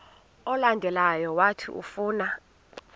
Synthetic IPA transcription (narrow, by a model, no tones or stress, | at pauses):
ɔlandʱɛlajɔwatʰḭʔṵfuːna